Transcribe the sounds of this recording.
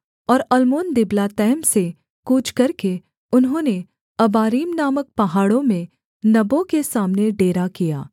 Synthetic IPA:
ɔːɾɐlmoːnd̪ɪblat̪ɛːmse | kuːt͡ʃʰkɐɾke | ʊnɦõːne | ɐbaːɾiːmnaːmək̚pɐɦaːɽõmẽ | nɐbõkesaːmneɖeːɾakija̰ː

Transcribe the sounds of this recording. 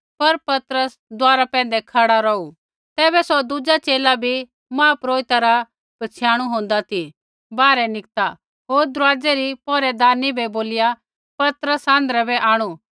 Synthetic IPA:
pɐɾpɐt̪ɾəs | d̪ʊaːɾapɛ̃ːn̆d̪ɛkʰɐɽaɾɔu | t̪ɛːbɛsɔd̪ud͡ʒat͡ʃeːlabʱi | mãːpɾoːɪt̪aɾa | b̥ɐt͡sʰjaːɽ̃uɦõːnd̪at̪ʰi | baːɾɛnɪk̚t̪a | ɦoːɾd̪ɾʊaːd͡ʒɛɾipɔːɾɛd̪aːnibɛboːlɪja | pɐt̪ɾəsãːn̆d̪ɾɛbɛʔaːɽ̃u

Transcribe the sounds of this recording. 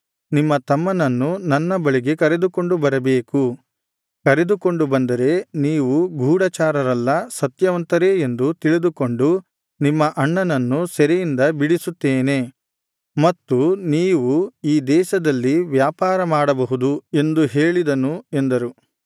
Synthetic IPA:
nimːɐt̪ɐmːɐnɐnːunɐnːɐbɐɭiɡe̞kɐɾe̞d̪uko̞ɳɖubɐɾɐbeːku | kɐɾe̞d̪uko̞ɳɖubɐnd̪ɐɾe̞niːʋuɡʱuːɽɐt͡ʃaːɾɐɾɐlːɐsɐt̪jɐʋɐnt̪ɐɾeend̪ut̪iɭid̪uko̞ɳɖu | nimːɐʔɐɳːɐnɐnːusɛɾejind̪ɐbiɽisut̪ːeːne̞ | mɐt̪ːuniːʋuiːd̪ɛːʃɐd̪ɐlːiʋjaːpaːɾɐmaːɽɐbɐɦud̪ue̞nd̪uɦe̞ːɭid̪ɐnue̞nd̪ɐɾu

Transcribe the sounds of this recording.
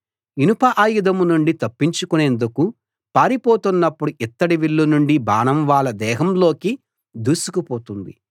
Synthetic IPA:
inupɐʔaːjud̪ɐmunuɳɖit̪ɐpːiɲt͡ʃukune̞ːnd̪uku | paːɾipoːt̪unːɐpːuɽuʔit̪ːɐɽiʋiɭːunuɳɖibaːnɐmʋaːlɐd̪ɛːɦɐmlo̞ːki | d̪uːsukupoːt̪und̪ḭ

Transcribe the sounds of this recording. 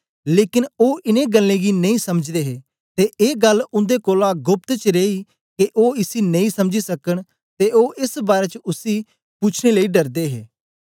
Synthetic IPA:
leːkɪnoːʔɪnẽɡəlːẽːɡinɐĩsɐməd͡ʒd̪eɦeː | t̪eʔeːɡəlʊ̃nd̪ekoːlãɡʊp̚t̪t͡ʃɾeːi | keʔoːɪsinə̃ĩːsɐmd͡ʒisɐkəɽ̃ | t̪eoːʔɪsbaːɾeːt͡ʃʊsi | put͡ʃʰɽ̃eləiɖəɾd̪eːɦeː

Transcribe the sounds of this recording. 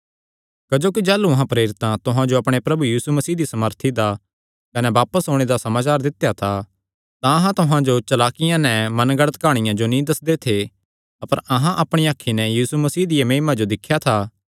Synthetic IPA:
kɐd͡ʒoːkid͡ʒɛːluɐɦãpɾeːɾɪt̪ãt̪ʊɦãd͡ʒoɐpɽ̃epɾɐbujiːsumɐsiːd̪isɐməɾt̪ʰid̪a | kɐnɛʋaːpəsɦoːɽ̃ed̪asɐmaːt͡ʃaːɾd̪ɪt̪jat̪ʰa | t̪ãɐɦãt̪ʊɦãd͡ʒot͡ʃɐlaːkɪjãnɛ̃mɐnɡɐɽət̪kaːɽ̃ɪjãd͡ʒonĩd̪ɐsd̪et̪ʰe | ɐpəɾɐɦãʔɐpɽ̃ijaːkʰinɛjiːsumɐsiːd̪ɪjamẽːmãd͡ʒod̪ɪkʰːjat̪ʰaː

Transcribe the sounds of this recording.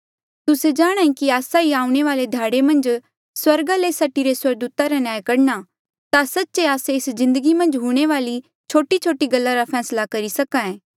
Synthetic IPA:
t̪ʊsed͡ʒaːɽ̃ãːĩkiaːsaiaːũɽ̃eʋaːled̪ʱaːɽemɐ̃nd͡ʒ | swɐɾɡalesɐʈiɾeswɐɡd̪uːt̪aɾanjaːjkɐɽna | t̪asɐtːt͡ʃeaːseɪszɪ̃nd̪əɡimɐ̃nd͡ʒɦuːɽ̃eʋaːli | t͡ʃʰoːʈit͡ʃʰoːʈiɡɐlːaɾapʰɛːslakɐɾisɐkãẽː

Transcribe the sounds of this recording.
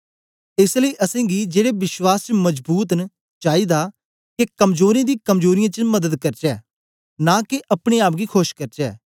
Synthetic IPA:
ɪsləiːʔəsẽːɡiːd͡ʒeːɽeːbɪʃwaːst͡ʃəməzbuːt̪n | t͡ʃaːiːd̪aː | kekəmzoːɾẽːd̪iːkəmzoːɾɪjãːt͡ʃəməd̪əd̪kɐɾd͡ʒɛː | naːkeʔɐpɽ̃eːaːp̬̚ɡiːkʰoʃkəɾd͡ʒɛː

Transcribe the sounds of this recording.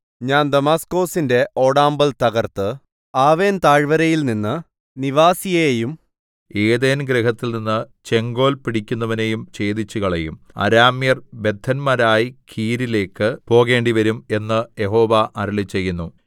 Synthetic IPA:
ɲaːnd̪ɐmaːsko̞ːsinde̞ʔo̞ːɽaːmbɐlt̪ɐɣɐrt̪ɨ | aːʋe̞ːnt̪aːɻʋɐɾɐjilninːɨ | niʋaːsijɐjejum | eːðeːnɡɾeɦɐt̪ːilninːɨt͡ɕe̞ŋɡo̞ːlpiɽikʲːunːɐʋine̞jumt͡ɕe̞ːd̪it͡ɕːuɣɐɭejum | ɐ̰ɾaːmjɐrbe̞d̪ʱʰɐnmɐɾaːjikʰiːɾile̞ːkːɨpo̞ːɣe̞ːɳɖiʋɐɾume̞nːɨje̞ɦo̞ːʋɐʔɐɾɐɭit͡ɕːe̞jːunːu

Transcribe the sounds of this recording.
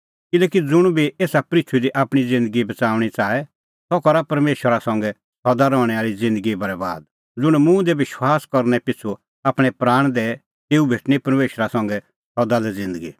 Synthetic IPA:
kɪlɛːkid͡zʊɽ̃bʱiʔeːsapɾɪt͡ʃʰud̪iʔaːpɽ̃id͡zɪ̃nd̪əɡibɐt͡saːʊɽ̃it͡saːɛ | sɔkɐɾapɐɾmeːʃwəɾasɐ̃ŋɡɛ | sɔd̪aɾɔːɽ̃ɛaːɭid͡zɪ̃nd̪əɡibɐɾɛba̰ːd̪̚ | d͡zʊɽ̃mũd̪ɛʋɪʃwaːskɐɾnɛpɪt͡sʰu | aːpɽ̃ɛpɾaːɽ̃d̪ɛ | t̪eːubʱeːʈnipɐɾmeːʃəɾasɐ̃ŋɡɛ | sɔd̪alɛd͡zɪ̃nd̪əɡi

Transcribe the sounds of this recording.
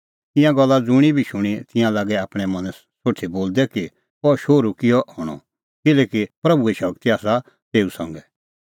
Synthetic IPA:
t̪ɪ̃jãɡɐlːad͡zʊɽ̃ibʱiʃʊɽ̃it̪ɪ̃jãlaːɡɛaːpɽ̃ɛmɐ̃n | soːʈʰiboːld̪ɛki | ɔʃoːɾukɪjɔʔɦɔːɽ̃ɔ̰̃ | kɪlɛːkipɾɐbueʃɐkt̪iaːsa | t̪eːusɐ̰̃ŋɡɛ

